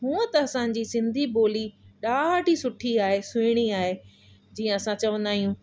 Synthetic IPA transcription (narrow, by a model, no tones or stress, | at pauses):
ɦũːət̪ɐɐsãɲ̆d͡ʑiːsɪ̃nd̪ʱiboːliɗaːɦʈisʊʈʰiaːɦesʊːɽ̃iaːɦe | d͡ʑiːə̃ɐsãt͡ɕɐʋə̃nd̪aːɦijũː